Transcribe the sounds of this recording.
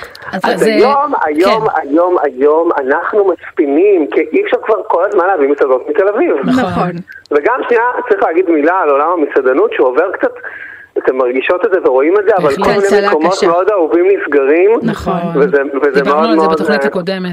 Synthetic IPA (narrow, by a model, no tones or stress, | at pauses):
zazajoma̰joma̰jo̞ma̰jo̞ma̰naχnumaspinimkiʔifʃaʁkvaʁko̞lazmanlaːvimisadot̪mit̪e̞laviv | veɡamʃniatt͡saʁiχlɛːɡid̪milaːlo̞lamamisadanutʃuoveʁkt͡sat̪ | at̪emːaʁɡiʃo̞t̪edzeveʁo̞imedzeavalko̞lminejmeko̞mo̞t̪meo̞d̪auvimlisɡaʁimvezevezemeo̞d̪meod